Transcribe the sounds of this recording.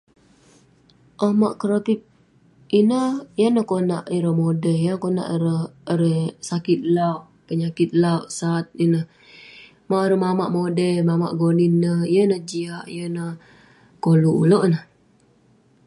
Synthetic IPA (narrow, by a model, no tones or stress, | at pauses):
ʔəhmaʔkəɾot̪ip̚ | inəhjənəhkona̰ʔiɾəhmodəjəkona̰ʔiɾəhəɾəsakit̪̚lawʔpəɲakɪt̪̚lauʔsat̪̚inəh | maʔɾəhmamaʔmodəmama̰ʔɡoninəhjənəd͡ʒiaʔjənə | koluʔṵloʔnəh